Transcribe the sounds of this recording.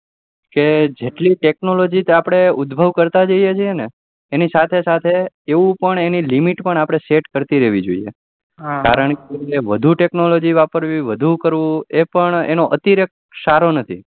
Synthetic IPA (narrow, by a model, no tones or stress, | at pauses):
ked͡ʒeʈliʈeknolod͡ʒit̪apɽ̃eʊd̪bʱəʋkəɾt̪ad͡ʒəied͡ʒʰieneː | nisat̪ʰesat̪ʰe | eʋũpəɳenilimiʈpəɳ̃apɽ̃eseʈkəɾt̪iɾɛʋid͡ʒo̰ḭḛ | kaɾəɳkeʋəd̪ʱuʈeknolod͡ʒiʋapəɾʋiʋəd̪ʱukəɾʋũepəɳḛnoʔət̪iɾək̚ | saɾonət̪ʰḭ